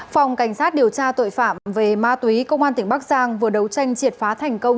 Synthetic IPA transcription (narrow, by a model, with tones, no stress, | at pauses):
fa˨˩wŋ͡mka˧˩jŋ̟saː˦˥t̚ɗi˨˩əwt͡ɕaː˧t̪o̰˧˨jfa̰ː˧˨mve˨˩maː˧t̪wi˨˦kə˧wŋ͡mʔaː˧nt̪ŋ̟ɓa˦˥k̚zaː˧ŋvɨ˨˩əɗə˨˦wt͡ɕa˧jŋ̟t͡ɕi˨˩ət̚faː˨˦t̪ʰɛ˨˩jŋ̟kə˧wŋ͡m